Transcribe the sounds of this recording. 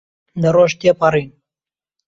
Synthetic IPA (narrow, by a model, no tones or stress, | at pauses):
d̪əɾoʃt̪epɑɾiːn